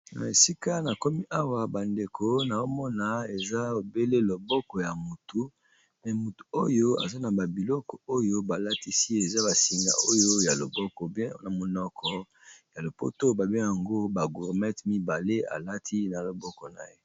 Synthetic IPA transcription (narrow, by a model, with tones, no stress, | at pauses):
na̰˨e˨si˦ka˦na˨ko˦mi˦ʔa˦wa˨ba˨nde˨kʰo˦na˨o˦mɔ˦na˨e˨za˦o˨be˦le˦lo˨bɔ˦kɔ˨ja˨mu˨tu˨ | mɛ˨mu˨tu̥˨o˦jo˦a̰˨za˦na˨ba˨bi˨lɔ˦kɔ˨o˦jo˦ba˨la˦ti˦si˦e˨za˦ba˨si˨ŋɡa̰˨o˦jo˦ja˨lo˨bɔ˦kɔ˨bɛ̃˦na˨mo˨nɔ˦kʰɔ˦ | ja˨lo˨po̰˦to˦ba˨bɛ˦ja˨ŋɡo˦ba˨ɡu˨ʁmɛ˦tmi˦ba˨le˦a̰˨la˦tʰi˦na˨lo˨bɔ˦kɔ˨na̰˨je˦